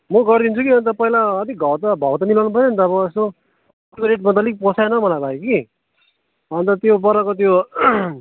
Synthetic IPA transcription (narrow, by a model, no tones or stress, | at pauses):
mʌɡʌrd̪int͡sʰukiʌnt̪ʌpʌɦilaːt̪ik̚ɡʱʌɾt̪ʌbʱʌwt̪ʌnilawnupʰʌt͡sʌnt̪ʌːbʌest̪o | ʈoɾeʈ̚mʌt̪̬ʌlik̚pʌsʰajnʌmʌlajbʱajeki | ʌnt̪ʌt̪jopʌɾʌkot̪̬jo